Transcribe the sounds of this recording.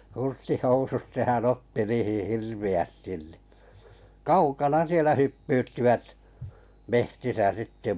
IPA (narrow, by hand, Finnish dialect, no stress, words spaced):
hurstihousut sehæn otːi niːhih hirʋiæstin niˑ kɑukɑnɑ sielæ hypːyːtːiʋæt mehtisæ sitːe